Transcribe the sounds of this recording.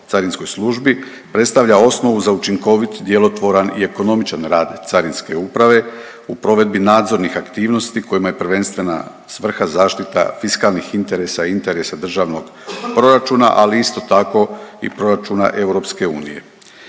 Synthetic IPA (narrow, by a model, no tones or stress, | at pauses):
t̪saɾinsko̞jsluʒbi | pɾet̪st̪aʋʎao̞sno̞ʋuzaut͡ʃiŋko̞ʋit̪d̪je̞lo̞t̪ʋo̞ɾanḭe̞ko̞no̞mit͡ʃanɾaːd̪t̪saɾinske̞upɾaʋe̞ | upɾo̞ʋe̞d̪̚binaːd̪zo̞ɾnixakt̪iːʋno̞st̪iko̞jimaje̞pr̩ʋe̞nst̪ʋe̞na̰ | sʋr̩xazaːʃt̪it̪a̰fiskalˠnixint̪e̞ɾe̞saint̪e̞ɾe̞sad̪r̩ʒaʋno̞ɡ̥ | pɾo̞ɾat͡ʃuːna̰ʔaliist̪o̞t̪ako̞ḭpɾo̞ɾat͡ʃuːna̰ʔe̞wɾo̞pske̞uːnḭje̞̰